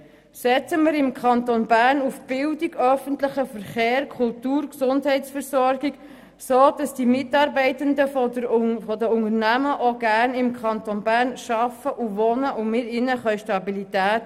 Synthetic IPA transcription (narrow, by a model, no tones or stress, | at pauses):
sɛt͡səmɪɾɪmkʰɑnt̪onbæɾnufb̥ɪldiɡœfənt̪ləχəfəɾχeːɾkʰʊltuːɾksʊndɦɛɪtfəɾsɔɾɡ̥iɡ | soːd̥ɑsd̥imɪtɑːɾbɛɪtəndə | fɔdəʊŋəɾnæməʔoɡ̥æɾnɪmkʰχɑnt̪onbæːɾnʃɑfəʔuʋɔnəʔʊmɪɾɪnəχœʏʃtɑbilitæːt